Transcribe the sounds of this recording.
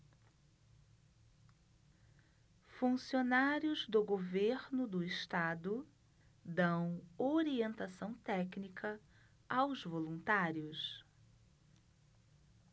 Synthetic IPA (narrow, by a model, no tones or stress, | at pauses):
fũsionaɾjʊzd̪ʊɡoveɾnʊd̪ʊɪst̪ad̪ʊ | d̪ɐ̃w̃oɾiẽnt̪asɐ̃w̃t̪ɛknikʰɐ | awzvolũnt̪aɾjʊs